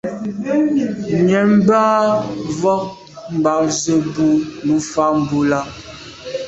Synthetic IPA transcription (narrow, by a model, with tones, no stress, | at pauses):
mɛ˨m˦ba˦vɔ˦k̚ | m̩˨ba˨zə˦bu˦nu˨˦fa˦m˨bu˦la˦